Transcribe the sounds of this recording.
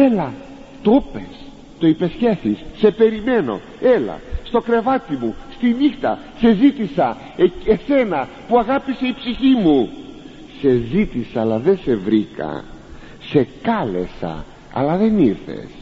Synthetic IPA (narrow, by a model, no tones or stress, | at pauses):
e̞lɐ | t̪opes | t̪o̞ipe̞sçe̞θisːe̞pe̞ɾime̞no̞̰ | e̞lɐ̰st̪o̞kɾe̞vɐt̪imust̪inixt̪ɐ̰ | se̞zit̪isɐ | eese̞nɐ | puɐɣɐpise̞ipsiçimu | se̞zit̪isɐɐlɐðe̞se̞vɾikɐ̰ | se̞kɐle̞sɐ̰ | ɐ̰lɐðe̞niɾθe̞̰s